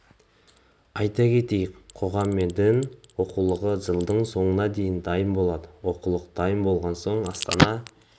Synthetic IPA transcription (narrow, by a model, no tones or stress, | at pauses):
ɑjt̪ɑkʲʰe̞t̪e̞jɪkqʰo̞ʁɑmːe̞nd̪ɪnwo̞qulˠəʁəʒəlˠd̪əɴso̞ɴənɑd̪e̞jɪnd̪ɑjəmbo̞lˠɑd̪əwo̞qulˠəqd̪̥ɑjəmbo̞lˠʁɑnso̞ɴɑst̪ɑ̰nɑ